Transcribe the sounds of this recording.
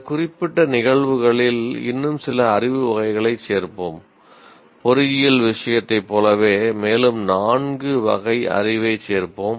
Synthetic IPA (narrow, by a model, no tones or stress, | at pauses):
kʊrɪpːɪʈːɐnɪɣɐɭʋɯɣɐɭɪlɪ̰nːɯmsɪlɐːrɪʋɯʋɐɣɐɪɣɐɭɐɪt͡ʃseːɾpoːm | pɔɾɪɣɪjɐlʋɪʂɐjɐt̪ːɐɪpːoːlɐʋeːmeːlɯmnaːɳɡɯʋɐ̰ɣɐɪʔɐ̰rɪʋɐɪt͡ʃeːɾpoːm